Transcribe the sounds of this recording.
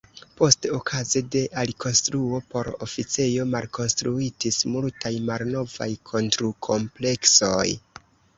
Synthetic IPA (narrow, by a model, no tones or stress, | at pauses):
po̞steokʰazede̞ʔaliko̞nstɾuo̞po̞ɾo̰fit͡sejo̞malkʰo̞nstɾuitismultajmalno̞va̰jkʰo̞ntɾukʰo̞mple̞kso̞̰j